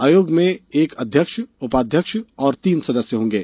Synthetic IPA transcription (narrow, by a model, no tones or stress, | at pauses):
aːjoːɡmẽeːkɐd̪ʱjəkʃʊpaːd̪ʱjəkʃɔːɾt̪iːnsɐd̪əsjəɦõːŋɡeː